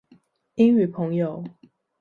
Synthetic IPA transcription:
i˦ŋy˨˩pʰə˧˦ŋjo˨ʊ

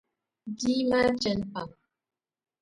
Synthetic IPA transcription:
di˦ma˦t͡ʃɛ˨˦npa˨

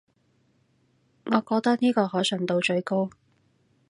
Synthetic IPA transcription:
ŋɔː˨˧kɔː˧k̚t̪ɐ˥k̚niː˥kɔː˧hɔː˨˥sœ˨˩ŋt̪o˧wt͡ʃɵ˧ɥko˥w

